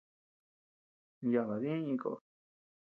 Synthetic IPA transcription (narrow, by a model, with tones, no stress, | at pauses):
ja˧˨βa˨ðĩ˦ĩ˧ko̰˧˨˧